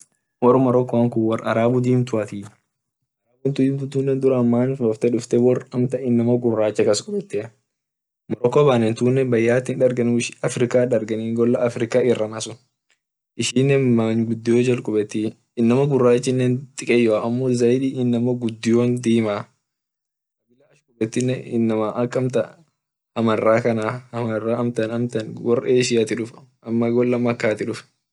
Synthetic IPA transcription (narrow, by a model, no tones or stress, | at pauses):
wɔrmɐɾɔkːɔɐŋkʊwɐrɐɾaːbʊd̪iːmt̪ʊɐt̪iː | ɐɾaːbʊnt̪ʊiːmt̪ʊt̪uːnːɛnd̪ʊɾɐɐmːaːnfbɐft̪ɛᶑʊft̪ɛwɔrɐmt̪ɐɪnːɐmɐɡʊrːaːt͡ʃːɐkɐskʼʊɓɛt̪ːɪ | mɐɾɔkːɔbaːnɛnt̪uːnːɛnbɐjːaːt̪ːɪnᶑɐɾɡɐnuɪʃɐfɾɪkaːᶑɐɾɡɐniːŋɡɔlːɐʔːfɾɪkaːɪrːɐnɐsʊn | ʔɪʃinːɛnmɐnɡʊd̪ːɪjoːd͡ʒɐlkʼʊbɛt̪ːiː | ɪnːɐmɐɡʊrːaːɪt͡ʃːɪnːɛːnt̪ʼɪkʼɛjːɔaɐmːoːzɐjᶑiːɪnːɐmɐɡʊd̪ːɪjoːnd̪iːmaː | ɐbɪlɐɐʃkʼʊbɛt̪ːɪnːɛɪnːɐmaʔɐkʼːɐmt̪ɐ | hɐmɐrːaːkɐnaːhɐmɐrːaːɐmt̪ɐnɐmt̪ɐnwɔreːʃɪjat̪ɪᶑʊfʔɐmːɐɡɔlːɐmɐkːaːt̪ɪᶑʊf